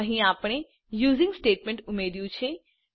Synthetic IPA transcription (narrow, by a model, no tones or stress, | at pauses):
ɐɦĩaːpɽ̃e | juːzɪ̃ŋɡsʈeːʈmẽɳʈʊmeːd̪ijũt͡ʃʰe